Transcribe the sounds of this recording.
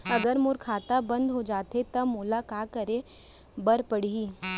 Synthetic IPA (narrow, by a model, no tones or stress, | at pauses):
ɐɡəɾmʊɾkʰaːt̪abɐ̃nd̪ɦod͡ʒaːt̪et̪ɐmʊlakaːkɐɾe | bɐɾpəɽiiː